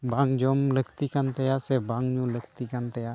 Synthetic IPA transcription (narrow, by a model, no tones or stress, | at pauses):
baŋd͡ʒɔmləkt̪ikant̪ɛjasɛbaŋɲũlək̚t̪ikant̪ɛja